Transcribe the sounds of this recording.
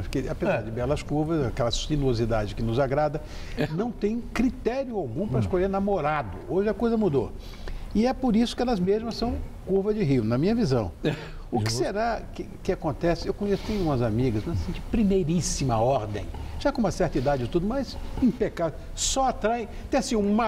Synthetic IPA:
ʃkɪapezaɾd͡ʒɪbɛlɐskuɾvɐzakɛlɐsinuozid̪ad͡ʒɪkɪnʊzaɡɾad̪ɐ | nɐ̃w̃t̪ẽj̃kɾit̪ɛɾjʊawɡũpɾɐɪiskoʎeɾnamoɾad̪ʊoʒɪɐkojzɐmud̪o | ɪɛpoɾisʊ̥kɪɛlɐzmeʒmɐsɐ̃w̃kuɾvɐd͡ʒɪɦiʊnɐmĩɲɐvizɐ̃w̃ | ʊkɪ̥seɾakɪkɪakõnt̪ɛsɪewkõɲesʊ̥t̪ẽjɡũmɐzamiɡɐzmɐzsĩd͡ʒɪpɾimejɾisimɐɔɾd̪ḛ̃j̃ʒ̥akõũmɐsɛɾt̪id̪ad͡ʒɪt̪ud̪ʊmɐjzẽpekavʊ | sɔat̪ɾaj̃ | t̪ẽj̃asĩũmɐ

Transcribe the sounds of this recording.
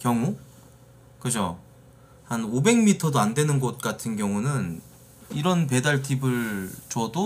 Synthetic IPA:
kjʌŋu | kɯd͡ʑo | hanobe̞ŋmitʰʌdoandwe̞nɯnɡʌt̚k͈atʰɯnɡjʌŋunɯn | iɾʌnp̬e̞daɭtʰibɯɭt͡ɕʌdo

